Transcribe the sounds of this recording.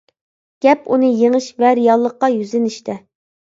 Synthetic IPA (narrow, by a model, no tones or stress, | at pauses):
ɡ̥ʲɛpunɨjeŋɨʃvɛɾijɑlˠːəqːɑjyzɪnɪʃt̪ʰɛ